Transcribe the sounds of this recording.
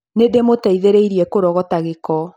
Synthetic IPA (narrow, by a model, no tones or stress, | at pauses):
nedemotaiðeɾeiɾiɛkoɾɔɣɔtaɣekɔ